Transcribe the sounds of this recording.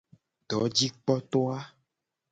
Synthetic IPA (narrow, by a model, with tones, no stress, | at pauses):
ɖɔ˨˦d͡ʑi˦k͡pɔ˦t̪ɔ˦a˦